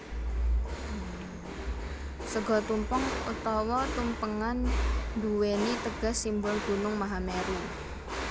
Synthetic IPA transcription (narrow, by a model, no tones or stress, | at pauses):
səɡɔ̤t̪umpəŋṵt̪ɔwɔt̪umpəŋand̪uwenit̪əɡ̥a̤sːimbʊlɡ̥ṳnʊŋmaɦameɾu